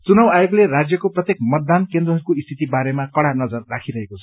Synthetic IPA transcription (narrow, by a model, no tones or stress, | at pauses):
t͡sunʌwajokleɾad͡zjʌkoprʌt̪jekmʌt̪̚ːankend̪rʌɦʌɾukoist̪ʰit̪ibaɾemakʌɽanʌd͡zʌrːakʰiɾʌɦekot͡sʰʌ̥